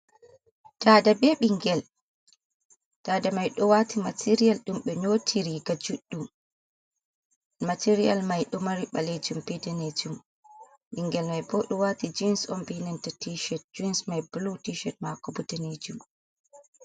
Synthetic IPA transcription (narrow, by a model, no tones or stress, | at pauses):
tadabeɓiŋɡɛl | taːdamajɗɔwatʰimatʰiɾialɗumɓɛɲotʰiɾiɡad͡ʒuɗːum | matʰiɾija̰lmajɗɔmaɾiɓaled͡ʒumpɛdɛned͡ʒum | ɓiŋɡɛlmajbɔɗɔwatid͡ʒinsɔmbinɛntatiʃɛt̚d͡ʒuinsmajbulutiʃɛt̚makɔbudɛned͡ʒum